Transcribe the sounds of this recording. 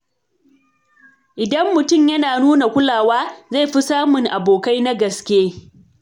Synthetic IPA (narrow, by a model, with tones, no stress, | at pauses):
ʔɪ˨dɐ˦mːʊ˨tʊ˦˨mjɐ˦naː˨nuː˦na˨kʷʊ˦laː˨waː˦za˦˨jɸi˦saː˦mʊ˨ŋʔa˨boː˨ka˦jna˦ɡɐ˨skʲeː˦